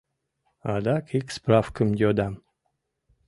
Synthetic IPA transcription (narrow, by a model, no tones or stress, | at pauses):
ad̪akʰiksprafkəmd̪ʲod̪am